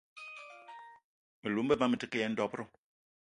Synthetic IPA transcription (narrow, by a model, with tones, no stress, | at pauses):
me˨lu˨˦m̩˦bə˦ma˦me˨ti˦ke˦jɛ˦n̩˦dɔ˦pɾo˦